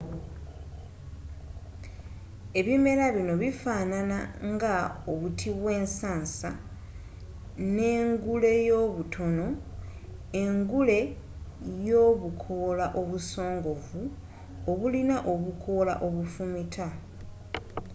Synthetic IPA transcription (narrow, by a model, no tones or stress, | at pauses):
e̞βime̞ɾaβino̞βifaːnana̰ŋɡaoβutʰiβwe̞ːnsaːnsa | ne̞ːŋɡule̞jo̞ːβutʰo̞no̞ | eŋɡule̞ | jo̞ːβukʰo̞laʔo̞βuso̞ːŋɡo̞vu | oβulinaʔo̞βukʰo̞la̰ʔo̞βufumitʰa